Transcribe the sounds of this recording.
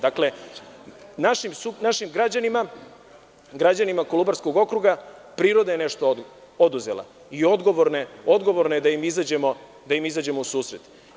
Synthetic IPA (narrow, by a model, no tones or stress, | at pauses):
d̪akle̞ | naʃimsunaʃimɡɾad͡ʑanima | ɡɾad͡ʑanimakolubaɾsko̞ɡo̞kɾuɡapɾiːɾo̞d̪aje̞ne̞ʃt̪o | od̪uze̞̰la̰ | io̞d̪ɡo̞ʋoɾneo̞d̪ɡo̞ʋo̞ɾnoed̪aimizad͡ʑemo̞ | d̪ajimizad͡ʑe̞mo̞usuːsɾe̞t̪